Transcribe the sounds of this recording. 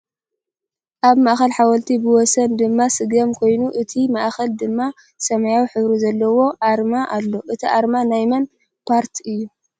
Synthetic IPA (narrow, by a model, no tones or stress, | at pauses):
ʔaβmaʔxɐlħawɐlt̪ʰibɨwɔsɐnd̪ɨmːasɨɡɐmkʰo̞jnuʔɨt̪ʰimaʔxɐld̪ɨmːa | sɐmajawħɨβɾuzɐlːɐwo̞ʔaɾmaʔalːo̞ʔɨt̪ʰiʔaɾmanajmɐn | pʰaɾt̪ʰɨjːu